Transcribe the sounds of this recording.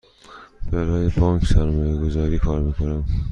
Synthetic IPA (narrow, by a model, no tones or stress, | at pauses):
b̥æɾɒːjebɒːŋksæɾmɒːjeɡozɒːɾiːkʰɒːɾmiːkʰonæm